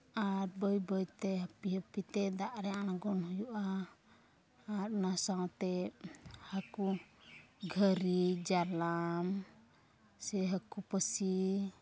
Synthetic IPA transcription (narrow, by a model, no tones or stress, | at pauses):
aɾbəjbəjt̪ɛɦəpiɦəpit̪ɛd̪aʔɾɛanaɡɔnhujuʔa | ɾnasawt̪ɛ | haku | ɡʱəɾid͡ʒalam | sɛɦəkupəsi